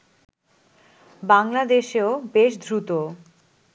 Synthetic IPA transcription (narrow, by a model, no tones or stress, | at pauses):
baŋlad̪eʃeobeʃd̪ʱɾut̪o